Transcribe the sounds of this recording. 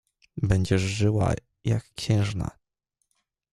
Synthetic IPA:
bɛɲd͡ʑɛʐʐɘwa̰ | jakːɕɛ̃w̃ʐna̰

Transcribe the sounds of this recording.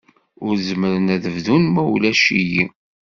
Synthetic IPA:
ʊɾzəməɾənæðəvðunmæwlæʃiji

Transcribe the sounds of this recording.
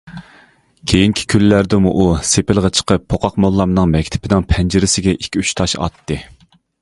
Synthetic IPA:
kʲʰejiŋkʲʰi̥kʲʰylːæɾd̪ɪmuʔusepɪlˠʁɛt͡ʃʰə̥qʰəpʰːoqʰɑqmolˠːɑmnɨŋmɛkʲt̪ʰɪ̥pʰɪnɪŋpʰɛnd͡ʒɪɾɪsɪɡʲɛʔikʲʰːyt͡ʃt̪ʰɑʃɑ̰t̪ʰːɨ

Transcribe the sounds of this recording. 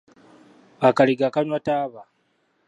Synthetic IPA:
akaɾiɡakanwataːba

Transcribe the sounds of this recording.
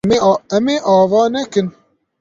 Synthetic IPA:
ɛmeːʔɑːvɑːnɛkɨn

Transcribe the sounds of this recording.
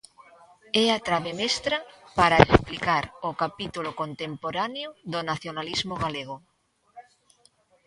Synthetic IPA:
ɛat̪ɾaβemest̪ɾapaɾaeksplikaɾokapit̪ulokont̪empoɾanjʊðonaθjonalizmoɣaleɣ̞o

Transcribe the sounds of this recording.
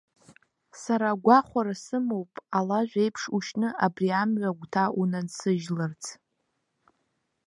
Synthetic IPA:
saɾaɡʷaχʷaɾasɨmowpʼalaʒᶣʷe̞jpʰʂuʃnɨʔabriamɥʷaɡʷtʰaʔunansɨʒlɨrt͡sʰ

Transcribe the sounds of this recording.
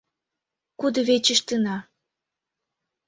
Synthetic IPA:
kud̪ə̆βet͡ɕəʃt̪ɨnɑ

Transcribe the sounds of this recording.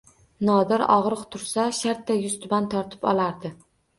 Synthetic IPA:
nɒd̪ɪɾɒ̰ʁɾɨqt̪ʰʊɾsaʃaɾt̪ːajʊst̪ʊbant̪ʰɒɾt̪ʰɪ̥pɒ̰lˠaɾd̪ɪ

